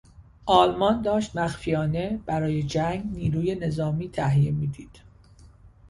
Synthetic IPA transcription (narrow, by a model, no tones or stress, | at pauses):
ʔɒːlmɒnd̪ɒːʃt̪mæxfijɒːne̞b̥æɾɒːje̞d͡ʒæŋɡniːɾuːje̞ne̞zɒːmiːt̪ʰæɦijemiːd̪iːd̪̥